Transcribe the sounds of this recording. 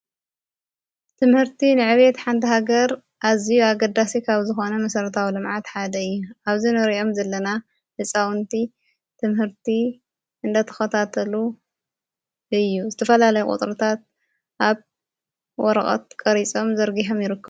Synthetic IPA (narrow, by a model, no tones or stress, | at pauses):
t̪ʰɨmhɨɾt̪ʰinɨʕɨβet̪ħant̪ʰɐɦaɡɐɾ | ʔazijuaɡɐd̪ːasikʰaβzɨxo̞nɐmɐsɐɾɐt̪ʰawilɨmʕat̪ħad̪ɐɨjːuaβzinɨɾiʔo̞mzɐlːɐna | hɨsʼawɨnt̪ʰi | t̪ʰɨmhɨɾt̪ʰi | ɨnd̪ɐt̪ʰɐ̥xɐt̪ʰat̪ʰɐlu | ɨjːuzɨt̪ʰɐfɐlalɐjukʼṵt̪ʼɾut̪ʰat̪̚ | ʔaβ | wɔɾɐχʼɐ̰t̪̚kʼɐɾit͡sʼo̞mzɐɾɡiħo̞mjɪɾɨkːɐβ